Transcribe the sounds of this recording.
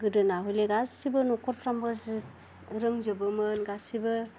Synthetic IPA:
ɡɯdɯnaɦujleɡasibɯnɔkʰɔɾpʰɾambɯz | ɾɯŋzɯbɯmɯnɡasibɯ

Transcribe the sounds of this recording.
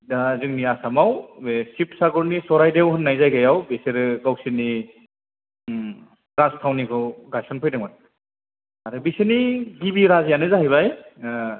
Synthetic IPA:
dazɯŋniasamawbesipsaɡɔɾnisɔɾajdewɦɯnːajzajɡajawbeseɾɯɡawsini | ɾastʰawnikʰɯwɡasɔnpʰɯjdɯŋman | aɾɯbisɯniɡibiɾazjanɯzaɦijβaj

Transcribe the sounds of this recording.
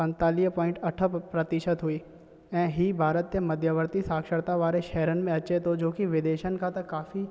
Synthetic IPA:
pə̃nt̪aːlɪjəpɔ̃ːɪ̃ɳʈɐʈʰəpɾət̪ɪʃət̪ɦʊiː | ɛ̃ːɦibʱaːɾət̪jəmɐd̪ʱjəʋəɾt̪isaːkʃəɽt̪aʋaːɾeʃɛɦɾənmẽɐtːʃʰet̪od͡ʒoːkiʋɪd̪eːʃənkat̪ɐkaːfi

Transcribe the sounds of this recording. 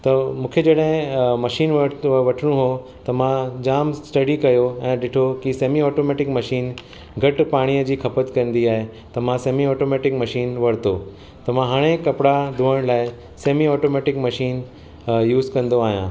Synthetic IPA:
t̪ɐmũːkʰed͡ʑɐɗɦɪ̃mɐʃiːnʋɐʋɐʈʰɪɽ̃ũɦo | t̪ɐmãd͡ʑaːmssʈɐɽikɐjoɛ̃ːɗɪʈʰokiseːmiɔːʈoːmeːʈɪkmɐʃiːn | ɡʱɐʈpaːɽ̃ijəd͡ʑiːkʰɐpət̪kɐ̃nd̪iaːɦe | t̪ɐmãseːmiɔːʈoːmeːʈɪkmɐʃiːnʋɐɽt̪oː | t̪ɐʋ̤ãɦaːɽ̃ekɐpɪɽad̪ʱuːəɽ̃laːɪ | seːmiɔːʈoːmeːʈɪkmɐʃiːn | juːzkɐ̃nd̪oaːɦijãː

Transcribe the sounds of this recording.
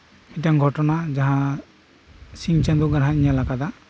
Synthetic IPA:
miʈaŋɡʱɔʈɔnad͡ʒaɦã | siŋt͡ʃɛ̃d̪uɡaɾɦãiɲalakad̪a

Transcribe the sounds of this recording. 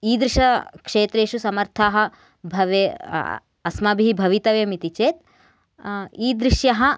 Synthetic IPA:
iːd̪ɾiʃɐkʂeːt̪ɾeːʃusɐmɐɾt̪ʰaːɦɐ̆ | bʱɐʋe | ɐsmɐbʱiɦibʱɐʋit̪ɐʋjɐmit̪it͡ʃeːt̪ | iːd̪ɾiʃjɐɦɐ̆

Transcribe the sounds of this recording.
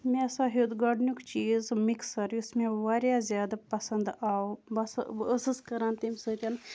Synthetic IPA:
mẽɐsãːɦuːd̪ɡaːɖnikt͡ʃiːzmiksɐɾjiusmẽʋaːɾjazjaːd̪apɐsɐnd̪aːbɐsəsɨskɐɾãːnt̪imʲsɨt̪ʲɐn

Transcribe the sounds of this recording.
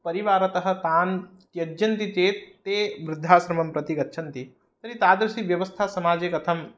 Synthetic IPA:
pɐɾiʋaːɾɐt̪ɐɦɐ̆t̪aːn | t̪jɐd͡ʒjɐnt̪it͡ʃ̪eːt̪ːeːʋɾɪd̪ʱːaːsɾɐmɐmpɾɐt̪iɡɐtːʃʰɐnt̪i | t̪ɐɾit̪aːd̪ɾɐsiʋjɐʋɐst̪ʰaːsɐmaːd͡ʒekɐt̪ʰɐm

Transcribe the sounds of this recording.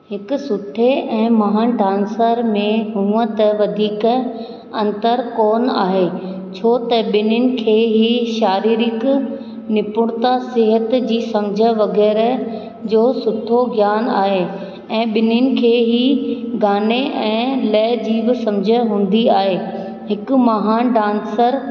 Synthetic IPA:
ɦɪkʊsʊʈʰeɛ̃ːmɐɦãɖãːnsəɾmẽɦũːət̪ɐʋɐd̪ʱiːk | ɐ̃nt̪əɾkoːna̰ːɦeː | t͡ɕʰoːt̪ɐɓɪnʊnɪ̆kʰeːɦiʃaːɾiːɾɪk | nɪpʊɽ̃t̪asɪɦət̪d͡ʑiːsɐmd͡ʑʱə̆ʋɐɣɛːɾ | d͡ʑoːsʊd̪ʱoɡjaːnaːɦe | ɛ̃ːɓɪnʊnɪ̆kʰeːɦiɡaːneʔɛ̃ːlɛːd͡ʑiːbɪsɐ̃md͡ʑʱə̆ɦũːn̆d̪iaːɦeː | ɦɪkʊ̆mɐɦaːnɖãːnsəɾ

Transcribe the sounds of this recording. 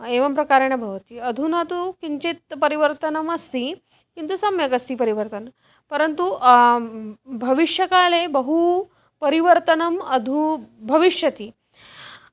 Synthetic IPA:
eʋɐmpɾɐkaɾɳ̃ebʱɐʋt̪iɐd̪ʱunat̪ukiɲt͡ɕit̪̚pɐɾiʋəɾt̪ənɐmɐst̪i | kint̪usɐmjɐkɐst̪iːpɐɾiʋəɾt̪ən | pɐɾənt̪u | bʱɐʋiʂjɐkalebəɦu | pɐɾiʋəɾt̪ənɐmɐd̪ʱubʱɐʋiʂjɐt̪iː

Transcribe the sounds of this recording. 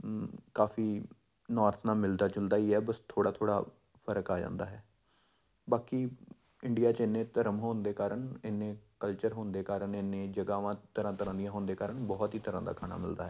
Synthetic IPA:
kaːfiː | nɔːɾt̪ʰnaːmɪld̪aːt͡ʃʊld̪aːiːɛːbəst̪ʰoːɽaːt̪ʰoːɽa̰ː | pʰəɾəkaːd͡ʒã̰ːnd̪a̰ːɦɛː | baːkiː | ɪɳɖijaːt͡ʃɪnːẽːt̪əɾəmɦoːnd̪eːkaːɾəɳɪnːẽːkəlt͡ʃəɾɦoːnd̪eːkaːɾəɳɪnːẽːd͡ʒəɡaːʋãːt̪əɾãːt̪əɾãːd̪ijãːɦoːnd̪eːkaːɾəɳbɔːt̪ɦiːt̪əɾãːd̪a̰ːkʰaːna̰ːmɪld̪aːɦɛː

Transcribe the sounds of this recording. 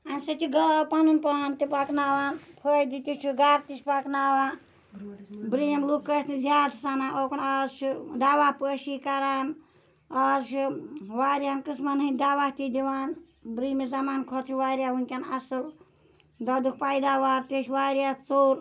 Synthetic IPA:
amʲsɐt͡ʃiɡɐlwpanunpɐnt̪ipaknawanpʰəjd̪it̪ut͡ʃʰuɡaːɾt̪it͡ʃʲpaknawa | bɾimlukːəsʰnizaːd̪sanaʔoknɐsd̪awapəʃikɐɾan | ɐsʋaɾjankɨsmanɦɨnʲd̪aʋat̪id̪iwaːn | bɾimizɐmaːnkʰɔt͡sʰiʋaːɾʲjaɦuŋkʲanɐsɨl | d̪ɐd̪uk̚ʰpaːjd̪aʋaːɾt̪iʃʰʋaɾʲjat͡soːɾ

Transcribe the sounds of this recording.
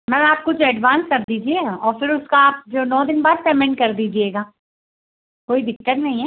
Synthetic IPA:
mɛ̃ːaːp̚kʊd͡ʒoɛɖʋãːnskɐɾd̪iːd͡ʒieɔːɾfɪɾʊskaːp̚d͡ʒoːnɔːd̪ɪnbaːd̪̚pɛmɛ̃ɳʈkɐɾd̪iːd͡ʒieːɡaː | koːid̪ɪkʈːəʈnɐɦĩɦɛː

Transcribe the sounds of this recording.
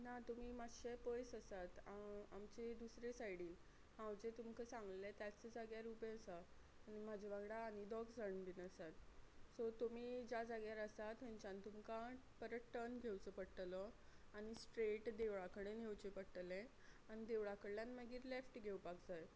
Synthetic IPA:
nat̪um̤iːmaɕepojsəsat̪aa̰mt͡ɕed̪usɾesajɽiːl | hãwd͡ʑet̪umkəsãŋɡlet̪jat͡səd͡zaɡjaɾupẽəsaː | ñim̤ad͡ʑʱebaɡɽaːñid̪ɔɡd͡zəɽnbinəsat̪sɔt̪umiːd͡ʑad͡zaɡjaɾəsat̪ɦəɲt͡ɕãnt̪umkapəɾəʈənɡʱewt͡səpəɽʈlɔaɽ̃isʈɾeʈd̪eʋɭakəɽenɦewt͡ɕepəɽʈlẽ | aɽ̃id̪eʋɭakəɽljanməɡiːɾlefʈɡʱewpaɡd͡zaj

